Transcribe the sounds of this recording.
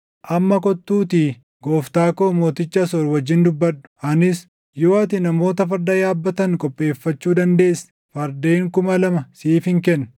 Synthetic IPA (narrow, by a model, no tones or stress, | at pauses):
ʔɐmːɐkɔt̪ːuːt̪iː | ɡo̞ːft̪aːkoːmo̞ːt̪ɪt͡ʃːɐsɔɾwɐd͡ʒːɪnd̪ʊbːɐᶑːʊ̥ʔɐnɪs | jo̞ːɐt̪ɪnɐmo̞ːt̪ɐfɐɾd̪ɐjaːbːɐt̪ɐŋkʼɔpʼːe̞ːfːɐt͡ʃːuːd̪ɐnd̪e̞ːsː | fɐɾd̪eːŋkʊmɐlɐmɐsiːfɪŋkɛnː